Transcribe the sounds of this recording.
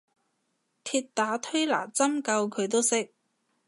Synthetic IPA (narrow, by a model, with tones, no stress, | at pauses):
t̪ʰiː˧t̚t̪aː˨˥t̪ʰɵ˥ɥla̰ː˨˩t͡sɐ˥mkɐ˧wkʰɵ˨˧t̪o˥wsɪ˥k̚